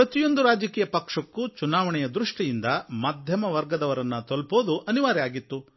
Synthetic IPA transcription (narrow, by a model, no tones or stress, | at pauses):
pɾɐt̪ijo̞nd̪uɾaːd͡ʒɐkiːjɐpɐkʂɐkːut͡ʃunaːʋɐɳɛjɐd̪ɾuʂʈijind̪ɐmaːd̪ʱjɐmɐʋɐɾɡɐd̪ɐʋɐɾɐnːɐt̪olpoːd̪uʔɐniʋaːɾijaːɡit̪ːu